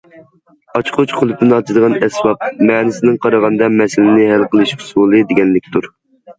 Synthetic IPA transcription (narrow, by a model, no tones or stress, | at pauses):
ɑt͡ʃqʰʊt͡ʃqʰʊlˠɨp̚t̪ɨnɑt͡ʃ̪ʰɨd̪əʁɑnɛsbɑp̚mɛːnɪsɪnɪŋqʰɑɾɑʁɑnɨd̪ɑmɛsɪlɪnɪɦælqʰəlˠɨʃʊ̥sulˠɨd̪eɡʲɛnlɪkʲt̪ʰuɾ